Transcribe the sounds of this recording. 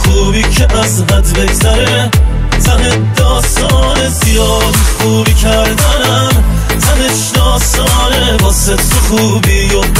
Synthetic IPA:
xuːbiːkʰeʔæzvæt̪beɡzæɾe | t̪ʰæne | d̪ɔːst̪ɔːnezijɒːd̪xuːbikʰæɾd̪ænæm | t̪ʰæneʃd̪ɒːst̪ɒːnebɒsesuxuːbiːjo

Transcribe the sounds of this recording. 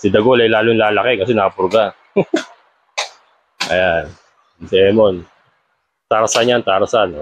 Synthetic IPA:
sɪd̪ɐɡolɐjlaːloŋlaːlɐkɛkɐsɛnɐkɐpɾoɡa | ʔɐ̰jan | sɪɛmon | t̪aɾasanjant̪aɾasano

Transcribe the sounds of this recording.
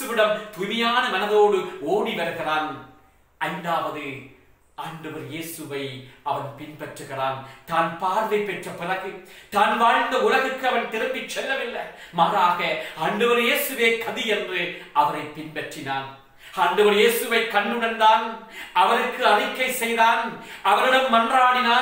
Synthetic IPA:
ɯʋɪɽɐmt̪ʊmɪjaːnɐmɐnɐðoːɽɯoːɽiʋɐɾɯɣɪraːn | ɐɪnd̪aːʋɐðɯ | aːɳɖɯʋɐɾjeːsɯʋɐɪɐʋɐnpɪnpɛʈrɯɣɪraːnt̪aːnpaːɾʋɐɪpːɛʈrɐpɪlɐɣɯt̪aːnʋaːɻnd̪ɐʊlɐɣɯkːɯɐʋɐnt̪ɪɾɯmbɪt͡ʃːɛlːɐʋɪlːɐmaːɾaːɣɐaːɳɖɯʋɐɾjeːsɯʋeːkɐðijɛndrɯʔɐʋɐɾɐɪpːɪnpɛʈrɪnaːn | aːɳɖɯʋɐɾjeːsɯʋɐɪkːɐɳːɯɽɐnd̪aːnɐʋɐnɯkːɯɐlɪkːɐɪsɛjðaːnɐʋɐnɯɽɐmːɐndraːɳɪnaː

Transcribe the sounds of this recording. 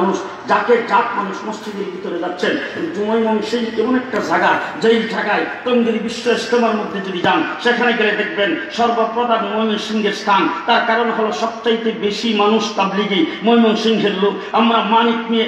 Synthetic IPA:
nuʃ | d͡ʑaked͡ʑat̪̚manuʃmost͡ɕid̪eɾbʱit̪oɾed͡ʑatːɕʰenebd͡ʒumojmɔnʃiŋkeɔnek̚ʈad͡ʒʱaɡad͡ʑejlʈʰaɡaet̪ond̪iɾibiʃːoest̪ʰomaɾmod̪ʱːed͡ʑod̪id͡ʑanʃekʰanekeled̪ek̚ʰbenʃɔɾbapɾɔd̪anmojmonsiŋɡeɾst̪ʰant̪aɾkaɾoneɦɔloʃɔb̚t͡ɕajt̪ebeʃimanuʃpablikimojmɔnʃiŋɦelːo | amɾamanik̪nie

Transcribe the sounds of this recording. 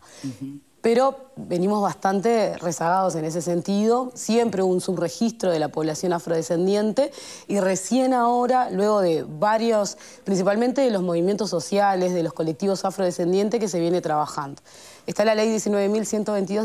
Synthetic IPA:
pe̞ɾo̞βe̞nimo̞zβast̪ant̪e̞re̞saɣað̞o̞s̬e̞ne̞s̬e̞se̞nt̪iðo̞sje̞mpɾeuβunsuβre̞xist̪ɾoð̞e̞lapo̞βlasjo̞nafɾo̞ðese̞nd̪je̞nt̪e̞ | ire̞sje̞naoɾalwe̞ɣ̞o̞ðe̞βaɾjos | pɾins̬ipalment̪eðelo̞zmo̞β̞imje̞nt̪o̞sːo̞sjale̞zðe̞losko̞le̞k̚t̪iβo̞safɾo̞ðese̞nd̪je̞nt̪ek̬e̞s̬e̞βje̞ne̞t̪ɾaβaxand̪o | est̪alalejðje̞sinwe̞βe̞milsje̞nt̪oβe̞jnt̪̬iðo

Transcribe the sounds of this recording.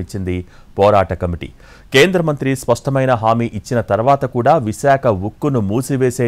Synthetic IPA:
it͡ʃːind̪i | pɔːɾaːʈɐkɐmiʈḭ | keːnd̪ɾɐmɐnt̪ɾispɐʂʈɐmɐjnɐɦaːmiːʔit͡ʃːinɐt̪ɐɾuʋaːt̪ɐkuːɽaːʋiʃaːkʰɐʋukːunumuːsiʋeːseː

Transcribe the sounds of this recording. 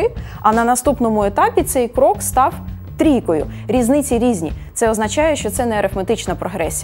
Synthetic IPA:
ɪ | ɐnɐnɐst̪upnɔmʊet̪ɑpʲit̪sɛjkɾɔkst̪ɑw | t̪ɾʲijkɔjʊ̰ | ɾʲiznɪt͡sʲiɾʲizʲnʲḭt̪sɛɔznɐt͡ʃɑjɛʃt͡ʃɔt̪sɛnɛɐɾefmet̪ɪt͡ʃnɐpɾɔɦɾɛsʲij

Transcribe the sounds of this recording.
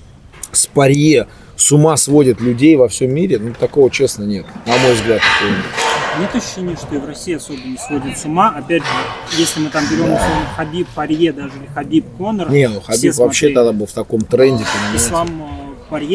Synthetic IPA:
spɐɾʲje | sʊmasvo̞dʲɪt̪lʲʉdʲejvɐfsʲo̞mːʲiɾʲɪnut̪ɐko̞vət͡ɕesnənʲe̞t̪nɐmo̞jvzɡlʲat̪ːɐkojənʲet̪nʲet̪ɐɕʊɕenʲɪəʂt̪oivrɐsʲiːɐso̞bʲɪnəsvodʲɪt̪sʊmaɐpʲædʲʐɨjesʲlʲɪmɨt̪ambʲɪɾʲo̞mɐsoməxɐbʲipːɐɾʲjed̪aʐɨɪxɐbʲipkonərnʲenʊxɐbʲipvɐpɕːeaɡd̪abɨlˠft̪ɐko̞mt̪ɾɛnʲdʲɪkɐnamʲˠampɐɾʲje

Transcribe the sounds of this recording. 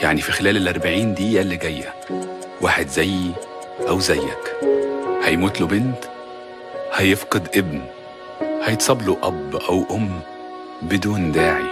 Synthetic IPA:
jaʕnifixelæːlelʔɑɾˤbaʕiːnd̪iːjælːiɡæjːæ | waːħed̪zæjː | ʔæwzæjːæk | hæjmuːt̪lobent̪ | hæjefqɨd̪ʔebn | hæjet̪sˤɑbluʔæbʔæwʔomː | bed̪uːnd̪aːʕḭ

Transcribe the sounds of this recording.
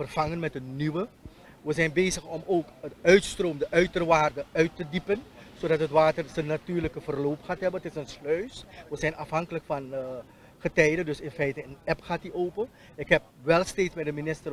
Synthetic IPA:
fərv̥ɑŋənmɛtənːyʋə | ʋəzɛjnbeːjzəχɔmoːkətœɥtstrowmdəʔœɥtərʋaːrdəœɥtədipənzodɑtɦətʋaːtərzənːatyːrləkəvərloːwpχaːtɦɛbənətɪsənslœɥsʋəzɛjnɑfɦɑŋkələkfɑn | χətɛjdədɵsɪnfɛjtəənɛpχaːtdiʔoːpən | ɪkɦɛp̚ʋɛlˠsteːtsbɛdəminɪstər

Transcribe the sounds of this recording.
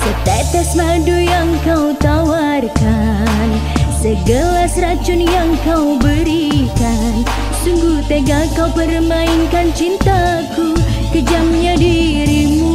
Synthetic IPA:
sət̪ɛt̪ɛsmadujaŋkawt̪awa | rka | n | səɡəlasəɾat͡ʃʊnjaŋkawbəɾi | ka | n | suŋɡut̪əɡakawpərmainkant͡ʃint̪a | ku | kəd͡ʒamɲadiɾimu

